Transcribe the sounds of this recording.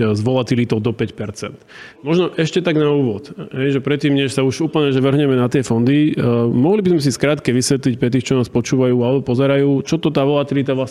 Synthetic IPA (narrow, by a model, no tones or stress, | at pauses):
zʋɔlat̪ilit̪ɔʊd̪ɔpɛcpɛɾt͡sɛnt̪ | mɔʒnɔʔɛʃcɛt̪aɡnauːʋɔt̪ɦɛjʒɛpɾɛt̪ːiːmɲɛʃsauʒuːpl̩ɲɛʒɛʋr̩ɦɲɛmɛnat̪ɪɛfɔnd̪imɔɦlibizmɛs̬iskɾaːt̪kɛʋisʋɛt̪lic̚pɾɛt̪̬iːxt͡ʃɔnaːspɔt͡ʃuːʋajuːalɛbɔpɔzɛɾajuːt͡ʃɔt̪ɔt̪aːʋɔlat̪ilit̪aʋlas